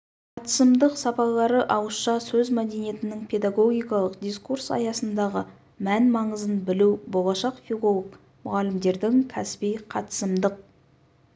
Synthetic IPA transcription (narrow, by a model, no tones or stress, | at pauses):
qʰɑt̪ə̥səmd̪əqsɑpɑlˠɑɾəʔɑwəsʃɑsɵzmæd̪e̞nije̞t̪ɪnɪŋpʰe̞d̪ɑɡo̞ɡʲijkɑlˠəqd̪ijskuɾsɑ̰jɑsənd̪ɑʁə | mænmɑɴəzənbɪlewbo̞lˠɑʃɑqfilˠo̞lˠək | mʊʁɑlɪmd̪e̞ɾd̪ɪŋkʲʰæspijqʰɑt̪ə̥səmd̪əq̚